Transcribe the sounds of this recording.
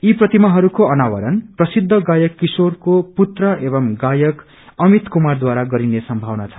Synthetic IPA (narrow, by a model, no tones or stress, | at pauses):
iprʌt̪imaɦʌɾukoʌnawʌɾʌnprʌsid̪ʱːʌɡajʌkːisorkoput̪rʌebʌmɡajʌk | ʌmit̪kumard̪waɾaɡʌɾinesʌmbʱʌwnat͡sʰʌ̥